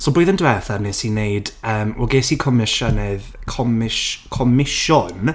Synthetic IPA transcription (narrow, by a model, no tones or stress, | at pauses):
sɔlˠbroːɨðəndwɛθanɛsineɨdəːmɔ̰ɡesikʰɔmɪʃənɛðkʰɔmɪʃkʰɔmɪʃʊn